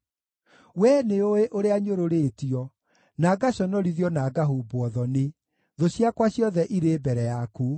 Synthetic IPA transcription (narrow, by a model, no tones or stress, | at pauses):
wɛneoeʔoɾeaɲoɾoɾeːtiɔ | naːɡaɕɔnɔɾiðiɔnaːɡaɦuːboɔðɔne | ðoɕjakwaɕjɔðɛʔiɾeːbɛɾɛjaku